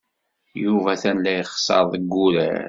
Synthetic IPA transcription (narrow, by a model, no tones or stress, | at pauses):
juvæθænlæjχsˤɑ̰ɾˤðˤəɡːuɾæ̰